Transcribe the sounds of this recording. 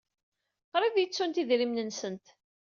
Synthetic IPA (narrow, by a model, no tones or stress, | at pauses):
qɾˤiðjət͡sːunt̪iðɾimnənsənt̪